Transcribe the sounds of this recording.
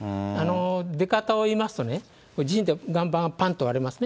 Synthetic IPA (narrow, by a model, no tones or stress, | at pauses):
ano̞d̪e̞kat̪aoimasɨ̥t̪o̞ne | kod͡ʑiɕĩnt̪eɡãmbãpãnt̪oβaɾemasɨne